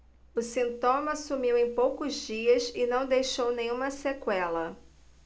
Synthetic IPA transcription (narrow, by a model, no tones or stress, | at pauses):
ʊsĩnt̪õmɐsumiwẽj̃powkʊzd͡ʒiɐsɪnɐ̃w̃d̪ejʃownẽj̃ũmɐsekwɛlɐ